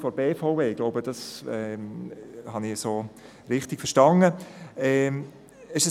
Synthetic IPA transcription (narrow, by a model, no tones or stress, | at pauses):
fɔɾbeːfaʊveːɡ̥loʊbəd̥ɑsɛ | hɑnɪsoː | ɾɪχtɪɡ̥fəɾʃtɑnəɛ | ɪʃə